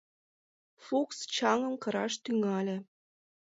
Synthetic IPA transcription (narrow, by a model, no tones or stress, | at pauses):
fukst͡ɕɑŋə̆mkɤ̆ɾɑʃt̪yŋɑlʲĕ